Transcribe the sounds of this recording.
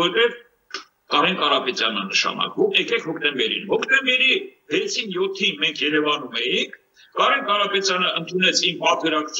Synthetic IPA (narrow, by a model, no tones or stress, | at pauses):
ɛt̪ɛv | kɑɾɛnkɑɾɑpɛt̪jɑnːənəʃɑ̰nɑ̰kvumɛkɛkʰhɔkʰt̪ɛmbɛɾḭnhɔkʰt̪ɛmbɛɾivɛt͡sʰinjɔt̪ʰːinmɛŋkʰjɛɾɛvɑnumɛjiŋkʰ | kɑɾɛnkɑɾɑpɛt̪jɑnəənt̪ʰunɛt͡sʰimpɑt̪ʰkəɾɑkt͡sʰ